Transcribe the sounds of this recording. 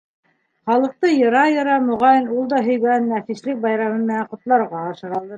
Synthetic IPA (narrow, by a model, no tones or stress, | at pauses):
χɑlˠɤ̆q̚t̪ɤjɤ̆ɾɑjɤ̆ɾɑmŏʁɑjɤnulˠd̪ɑɦɵ̆jɡænːæfislɘk̚bɑjɾɑmɤmɘ̆næɴqŏt̪lˠɑɾʁɑːʃɤ̆ɾɑlˠd̪ɤ